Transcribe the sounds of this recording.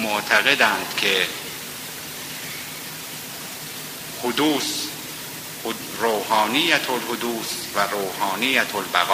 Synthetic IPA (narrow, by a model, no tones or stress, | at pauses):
moʔt̪ʰæɣed̪ænd̪̥kʰe | hod̪uːs | ɾoːhɑːnijæt̪ʰolhod̪uːsvæɾoːhɒːnijæt̪ʰolbæɣː